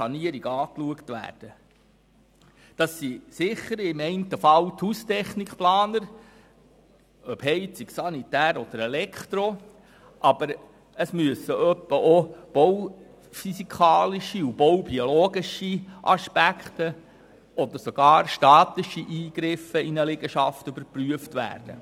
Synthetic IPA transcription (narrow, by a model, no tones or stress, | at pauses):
ɑniəɾiɡɑːkluəkt̪ʋæ̰ːɾd̥ə | d̥ɑsːisɪχːəɾɪmɛɪntəfɑlt̪hust̪ɛχnikχplɑːnəɾ | œphɛɪt͡siksɑnit̪æːɾɔd̥̪əɾɛlɛkχt̪ɾo | ʔɑb̥əɾ | əsmyəsəʔœpːəʔob̥ow | fysikʰɑːliʃiub̥ɔwbioloːɡ̥iʃiʔɑʃpækχtə | ɔd̪əɾsoɡ̥ɑːɾʃtɑːt̪ɪʃiʔiːɡ̥ɾɪfəinəlɪɡ̥əʃɑftybəɾpryəftʋæ̰ːɾd̥ə̰